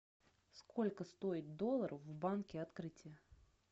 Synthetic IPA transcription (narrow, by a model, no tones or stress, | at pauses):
sko̞lʲkəst̪o̞ɪt̪̚d̪o̞lˠːəɾʔəfvbankʲɪɐt̪kɾɨtʲɪjə